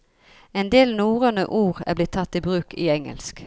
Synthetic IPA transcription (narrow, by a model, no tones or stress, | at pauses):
ɛnd̪eːlnuːʁənə̰ʔuːʁæ̰blɪt̪ʰːɑt̪ːɪbʁʉːkɪɛŋə̰lsk